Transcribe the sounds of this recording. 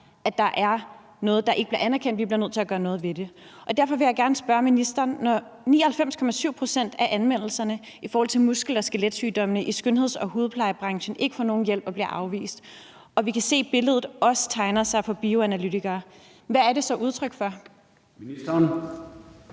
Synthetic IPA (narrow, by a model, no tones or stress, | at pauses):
æd̥ɑ̈ʔæɐ | nɔ̽ːð̞̩ˠd̥ɑ̈ʔe̝ɡ̥əb̥iɐænæɐkʰen̰d̥ʋib̥liɐnøð̰ˠt͡sʰelæɡ̥ɶːɐnɔ̽ːð̩ˠʋe̝d̥e̝ʔɒ̽d̥æɐ̰fɒ̽ʋe̝jɑ̈ɪɡ̥æɐnəsb̥ɶɐminisd̥ɐːnːɒ | nḭːɐhælfem̰skʰɒ̽mæsyʊ̰pʰʁo̝sen̰d̥æʔænʋen̰l̩sɐnə | ifɒɔːhɒl̰t͡sʰe̝lmusɡ̥l̩ɒsɡ̥eled̥syːd̥ɒ̽mənəʔisɡ̥ønɦe̝ð̞̰ˠsɒ̽huːð̞̩ˠpʰlɑ̈ɪəb̥ʁɑ̈ŋɕn̩e̝ɡ̥əfɒ̰ːno̝ːn̩jel̰b̥ɒ̽b̥liɐʔɑ̈ʊʋḭːsd̥ | ʔɒ̽ʋikʰæse̝̰ːb̥e̝ləð̞ˠð̩ˠɒ̽sə̥t͡sʰɑ̈ɪnɐsɑ̈ɪfɒ̽b̥io̝ænælyt͡sʰiɡ̥ɐː | ʋææɐɾe̝sɒ̽ʔuð̞ˠt͡sʰʁœɡ̥fɒ̽